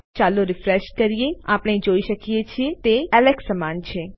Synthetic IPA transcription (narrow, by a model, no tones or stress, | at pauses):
t͡ʃaːloɾɪfɾeʃkəɾijeaːpnẽĩd͡ʒoːiʃəkiet͡ʃʰiet̪eələɡsəmaːnt͡ʃʰe